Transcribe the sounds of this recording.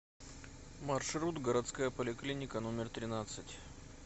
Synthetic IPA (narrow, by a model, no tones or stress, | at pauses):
mɐrʂɾut̪ɡəɾɐt̪skajəpəlʲɪklʲinʲɪkənomʲɪrt̪ɾʲɪnat̪sɨtʲ